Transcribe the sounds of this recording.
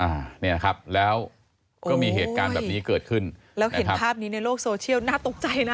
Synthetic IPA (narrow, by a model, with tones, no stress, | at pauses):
ʔaː˨˩ni˥˩ɐna˦˥kʰa˦˥p̚lɛː˦˥w | kɔː˥˩miː˧ɦeː˨˩t̪kaː˧nbɛː˨˩pniː˦˥kɤː˨˩t̪̚kʰɯ˥˩n | lɛː˦˥waɦe˨˦na˦˥pʰaː˥˩p̚niː˦˥na˧jloː˥˩k̚soː˧t͡ɕʰi˥˩əwnaː˥˩t̪o˨˩k̚t͡ɕa˧jna˦˥